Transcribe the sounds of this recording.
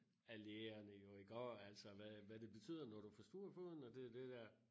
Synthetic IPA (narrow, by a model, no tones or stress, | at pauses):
æleːɐnəjo̝iɡ̥ɒ̰ːæl̰sɒ̽ʋæʋæd̥e̝b̥e̝t͡sʰy̰ːð̰ˠɐnɒɾ̥ufɒsd̥uːɐfo̝ðˠn̩ɒd̥e̝d̥e̝d̥æɐ̰